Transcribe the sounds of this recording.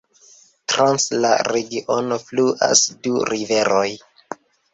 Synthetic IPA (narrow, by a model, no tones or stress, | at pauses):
tɾansla̰ɾeɡiʔonofluʔa̰sduɾive̞ɾoj